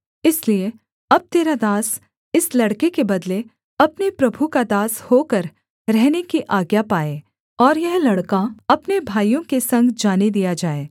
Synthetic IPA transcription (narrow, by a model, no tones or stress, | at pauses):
ɪslie | ɐb̚t̪eːɾad̪aːs | ɪslɐɽkekebɐd̪le | ɐpnepɾɐbʱukad̪aːshoːkəɾ | ɾɛɦnekiʔaːɡjapaːeː | ɔːɾjɛɦlɐɽkaɐpnebʱaːijõkesɐ̃ŋɡd͡ʒaːned̪ijad͡ʒaːeː